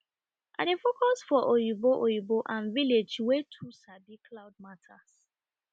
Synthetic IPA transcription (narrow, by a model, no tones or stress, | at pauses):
ʔa̰defokʰɔsfɔʔojiboʔojiboʔãnviled͡ʒwetʰusabikʰlaʊd̚matʰas